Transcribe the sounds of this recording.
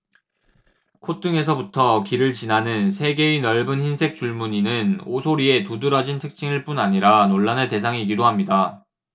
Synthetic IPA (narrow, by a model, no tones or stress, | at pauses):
kʰot͈ɯŋe̞s̬ʰʌbutʰʌkiɾɯɭt͡ɕinanɯnsʰe̞ɡe̞ɥinʌɭbɯnçinsʰe̞k̚t͡ɕ͈uɭmuɲinɯnosʰoɾie̞tudɯɾʌd͡ʑintʰɯk̚t͡ɕ͈iŋiɭp͈unaɲiɾanoɭːanɯɭte̞s̬ʰaŋiɡidoɦamɲida